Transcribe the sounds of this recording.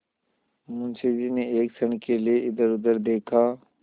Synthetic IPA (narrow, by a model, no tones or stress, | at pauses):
mʊ̃nsʰed͡ʒineeːksəɳ̃kelieʔɪd̪əɾʊd̪əɾd̪eːkʰaː